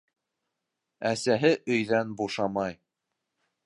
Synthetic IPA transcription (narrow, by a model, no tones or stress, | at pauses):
æsæɦɘʔɵ̆jðænbuʃɑmɑj